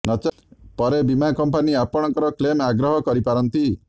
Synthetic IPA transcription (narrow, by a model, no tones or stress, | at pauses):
nɔt͡ʃ | pɔɾebimankɔmpaniapɔɽ̃ɔ̃ŋkɔɾɔklemaɡɾɔɦɔkɔɾipaɾɔnt̪i